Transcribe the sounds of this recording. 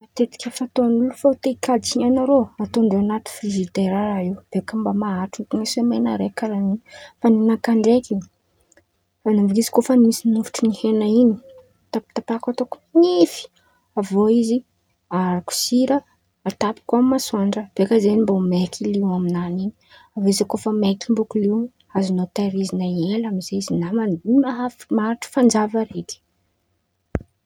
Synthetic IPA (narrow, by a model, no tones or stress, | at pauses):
mat̪et̪i̥kʲəfat̪oanulufaut̪eikad͡ʒiɲanaɾoat̪ond̪ewanat̪u̥fɾizit̪eɾaɾaiwb̥eakəmbamaaʈ͡ʂukunesemenaɾekalaninfaninakaɳɖ͡ʐeki | fanavukizi̥kofanimisinufu̥ʈ͡ʂunihenaini̥ | t̪api̥t̪apakat̪okuminifi̥ | avoizi | aɾaku̥siɾə | at̪api̥kuammasuaɳɖ͡ʐəb̥ekazenimbomekʰiliwaminanini̥ | avizakofəmekimbukuliw | azinot̪aɾizinaelamizeizinamaimaɦafmaɾiʈ͡ʂə̥fand͡zavəɾeti̥